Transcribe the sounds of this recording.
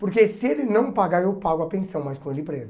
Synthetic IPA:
poɾkesɪelɪnɐ̃w̃paɡaɾewpaɡʊapẽsɐ̃w̃majskõelɪ̃pɾezʊ

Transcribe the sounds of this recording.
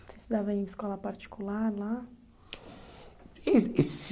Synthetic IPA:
sẽst̪ud̪avɐ̃ẽj̃ɪskɔlɐpaɾt͡ʃi̥kulaɾla | ees

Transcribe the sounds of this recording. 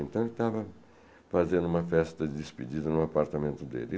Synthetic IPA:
ẽnt̪ɐ̃w̃elɪt̪avɐ | fazẽnd̪ʊũmɐfɛst̪ɐd͡ʒɪd̪ɪspid͡ʒid̪ɐnʊ̃apaɾt̪ɐmẽnt̪ʊd̪ḛlɪ

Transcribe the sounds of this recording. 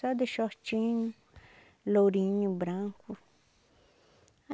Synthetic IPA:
ad̪eʃot͡ʃĩɲ̃ | loɾĩɲũbɾãŋku

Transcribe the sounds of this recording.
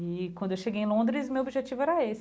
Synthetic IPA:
ɪkwɐ̃nd̪ʊewʃeɡeẽlõnd̪ɾɪzmewobiʒet͡ʃivʊɛɾɐes

